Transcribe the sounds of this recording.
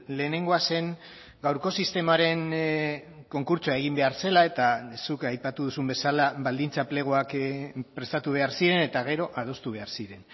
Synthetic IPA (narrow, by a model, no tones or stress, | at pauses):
le̞ːne̞ŋɡo̞ase̞ŋ | ɡawɾko̞sist̪e̞maɾe̞n | ko̞ŋkuɾt͡soae̞ɣ̞imbe̞aɾse̞lae̞t̪asukajpat̪uðusumbe̞salaβald̪int͡saple̞ɣ̞oakpɾe̞st̪at̪uβ̞e̞aɾsiɾe̞ne̞t̪aɣ̞e̞ɾo̞ʔað̞o̞st̪uβe̞aɾsiɾe̞n